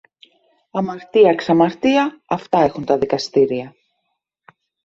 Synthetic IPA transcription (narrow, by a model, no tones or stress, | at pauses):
ɐmɐɾt̪iɐksɐmɐɾt̪iɐɐft̪ɐe̞xunt̪ɐðikɐst̪iɾiɐ